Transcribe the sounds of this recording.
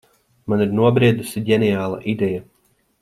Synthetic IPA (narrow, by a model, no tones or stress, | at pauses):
maniɾnuɔbɾiɛd̪usiɟʲɛnɛjaːlˠa̰ʔid̪ɛja